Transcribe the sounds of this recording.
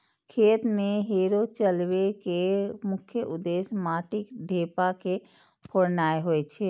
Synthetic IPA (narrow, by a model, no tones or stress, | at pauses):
kʰeːt̪mẽɦeːɾot͡ʃəlwekemʊkʰjəʔʊd̪eːsmaːʈɪkɖʱeːpake | pʰoɾnaːeɦoet͡ʃʰɛ